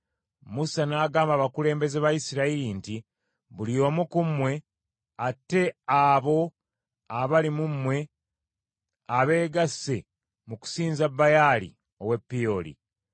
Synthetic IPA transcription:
musanaːɡaːmbaβakule̞ːmbe̞zeβajisiɾailinti | βulijo̞ːmukumwe̞ | atːe̞aβo̞ | aβalimumwe̞ | aβe̞ːɡasːe | muku̥siːnzabːajaːlḭ | owe̞pːio̞lḭ

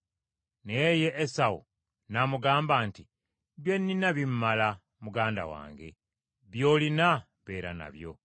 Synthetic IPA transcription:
neje̞ʔːsawṵ | namuɡaːmbaːnti | βje̞nːinaβimmːala | muɡaːnda̰wa̰ːŋɡe̞̰ | βjo̞ːlina | βe̞ːɾa̰na̰βjo̞̰

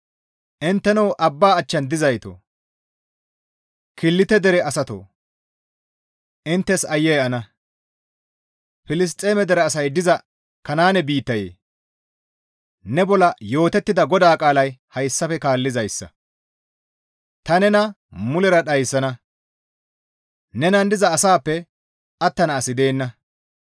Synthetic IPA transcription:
ʔɪnt̪ːɛnɐwʔɐbːaːt͡ʃːɐnd̪ɪzɐjt̪o̰ː | kɪlːɪt̪ɛd̪ɛɾɛɐsɐt̪o̰ː | ʔɪnt̪ːɛsɐjːɛjɛɐnɐ | fɪlɪs̬t̪ʼːe̞ːmɛd̪ɛɾɛːsɐjd̪ɪzɐ | kɐnaːnɛbiːt̪ːɐjḛː | nɛbɔlɐjo̞ːt̪ɛt̪ːɪd̪ɐɡɔd̪aːkʼaːlɐjhɐjsːɐfɛkaːlːɪzɐjsːɐ̰ | t̪ɐnɛnɐ | mʊlɛɾɐɗɐjsːɐnɐ | nɛnɐnd̪ɪzɐːsaːpːɛ | ʔɐt̪ːɐnɐːsɪd̪e̞ːnːɐ

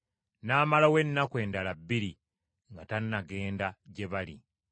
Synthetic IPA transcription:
naːmalawe̞nːakwe̞ːndalabːiɾi | ŋɡatanːaɡe̞ːndaɟe̞βalḭ

